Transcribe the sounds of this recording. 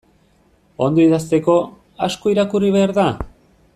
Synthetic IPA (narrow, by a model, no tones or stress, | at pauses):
o̞nd̪oiðast̪e̞ko̞ | asko̞iɾakuriβ̞e̞aɾða